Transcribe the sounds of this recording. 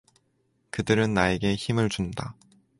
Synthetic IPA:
kɯdɯɾɯnːae̞ɡe̞çimɯɭt͡ɕunda

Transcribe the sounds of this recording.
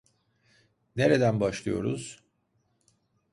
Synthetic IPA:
ne̞ɾed̪ænbaʃlˠɯ̰jo̞̰ɾuz̥

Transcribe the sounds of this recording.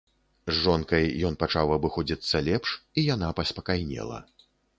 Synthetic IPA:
zʐɔnkɐjːɔnpat͡ʂawɐbɨxɔd͡zʲit̪sːɐlʲɛpʂijanapɐspɐkajnʲɛ̰lˠɐ̰

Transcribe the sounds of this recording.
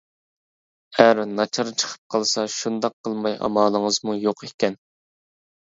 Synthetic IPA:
æɾnɑt͡ʃʰɑɾt͡ʃʰə̥qʰə̥p̚qʰɑlˠsɑʃund̪ɑqʰːəlˠmɑjʔɑ̰mɑːlˠəŋəzmujoqekʲɛn

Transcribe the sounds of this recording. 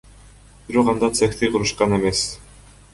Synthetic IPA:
b̥iɾoqɑnd̪ɑt̪sekt̪ijqʰuɾuʃqɑne̞me̞s

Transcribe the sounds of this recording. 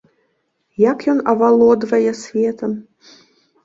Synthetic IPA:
jakjɔnɐvalˠɔd̪vɐjɛsʲvʲet̪əm

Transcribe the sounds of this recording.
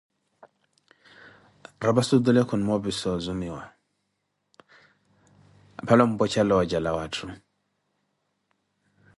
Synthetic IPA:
ɾabasud̪ulɛkʰɔnmɔbisɔzumiwa̰ | a̰pʰalɔm̩bɔt͡ʃalɔd͡ʒalawatʰu

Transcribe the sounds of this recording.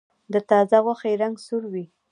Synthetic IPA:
d̪ət̪ɑzaɣwaxajɾaŋɡsuɾwi

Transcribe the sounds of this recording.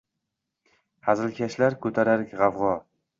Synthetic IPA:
hazɪlkʲʰaʃlaɾkʰɵt̪ʰaɾaɾkʲʁɑvʁɒ

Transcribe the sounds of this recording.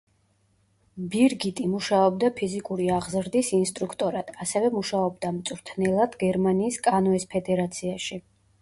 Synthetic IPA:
biɾɡit̪ʼimuʃaɔbd̪apʰizikʼuɾiaʁzɾd̪isinst̪ʼɾukʰt̪ʼɔɾad̪̥asɛvɛmuʃaɔbd̪amt̪sʼɾt̪ʰnɛlˠad̪̥ɡɛɾmaniːskʼanɔɛspʰɛd̪ɛɾat̪sʰiaʃi

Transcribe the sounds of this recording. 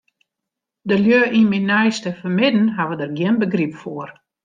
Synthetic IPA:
dəljøːʔinminɛjstəfəmɪdn̩ɦaʋədərɡjɪnbəɡripfoər

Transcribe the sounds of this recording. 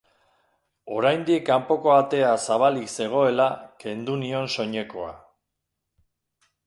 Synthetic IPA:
o̞ɾajnd̪ikːampo̞ko̞at̪e̞asaβ̞alikse̞ɣ̞o̞e̞lake̞nd̪unio̞nso̞ɲe̞ko̞a̰

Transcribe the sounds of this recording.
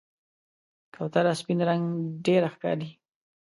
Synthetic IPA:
kʰawt̪alaspinɾaŋɡɖeɾaxkɑ̰ɾi

